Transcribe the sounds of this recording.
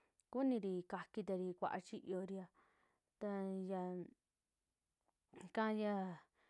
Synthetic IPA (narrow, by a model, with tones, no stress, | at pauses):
ku˦nĩ˧ɾi˧ka˧ki˧t̪a˧ɾi˧kʷa̰˧ʔa̰˧t͡ʃi˦ʔjo˧ɾi˧a˧ | t̪a˧ja˧ | kã˦˧ja˧